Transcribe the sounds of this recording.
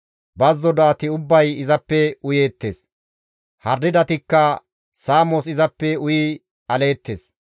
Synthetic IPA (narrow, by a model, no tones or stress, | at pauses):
bɐzːɔd̪aːt̪ɪʊbːɐjɪzɐpːɛʊjeːt̪ːe̞̰ːs | hɐɾːɪd̪ɐt̪ɪkːɐ | saːmɔsɪzɐpːɛʊjiː | ɐle̞ːt̪ːeːs